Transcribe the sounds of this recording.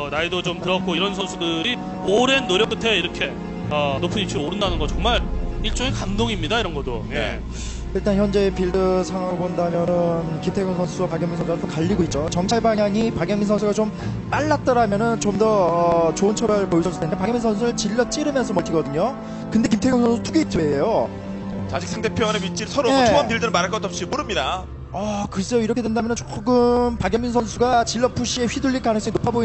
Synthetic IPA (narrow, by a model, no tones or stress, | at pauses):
ʌnaidot͡ɕomtɯɾʌk͈oiɾʌnsʰʌnsʰudɯɾi | oɾe̞nːoɾjʌk͈ɯtʰe̞iɾʌkʰe̞ | ʌnopʰɯnip̚t͡ɕʰuɾooɾɯndanɯnɡʌt͡ɕʌŋmaɾiɭt͡ɕ͈oŋekandoŋimɲidaiɾʌnɡʌdoje̞̰ | iɭt͈ançjʌnd͡ʑe̞ːpiɭdɯsʰaŋɦaɡbondamjʌnɯnkitʰeɡjoŋsʰʌnsʰuapaɡjʌŋminsʰʌnsʰuɡat͈ʌkaʎːiɡoit̚t͡ɕ͈ot͡ɕʌŋt͡ɕʰaɭbaŋjaŋipaɡjʌŋminsʰʌnsʰuɡat͡ɕom | p͈aɭːat̚t͈ʌɾamjʌnɯnt͡ɕomdʌʌt͡ɕoɯnt͡ɕʰʌbaɾɯɭpoisʰʌɭs͈udendepaɡjŋminsʰʌnsʰuɾɯɭt͡ɕiʎːʌt͡ɕ͈iɾɯmjʌnsʰʌmʌɭtʰiɡʌdɯɲo | kɯnde̞kimtʰe̞ɡjŋsʌnsʰutʰuɡeitʰuejo | ad͡ʑik̚sʰaŋdepʰjʌʌnemit͡ɕ͈iɭsʰʌɾoeoʌmtɯɭdɯnɯnmaɾaɭkʌt͈ʰʌp̚ɕ͈imoɾɯmɲida | ʌkɯɾis͈ʌjoiɾʌkʰdwe̞ndamjʌnɯnt͡ɕ͈o̥ɡɯmpaɡjʌŋminsʰʌnsʰuɡat͡ɕiɭːʌpʰuɕ͈ʰie̞ɸɥiduʎːik͈anɯŋs͈ʌinopʰaboi